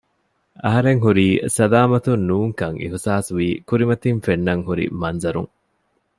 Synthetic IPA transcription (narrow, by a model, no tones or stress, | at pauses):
ɐɦɐɾeŋɦuɾiːsɐlaːmɐt̪unːuːŋkɐŋʔḭɦusaːsuʋiːkuɾimɐt̪infenːɐŋɦuɾḭmɐnzɐɾṵŋ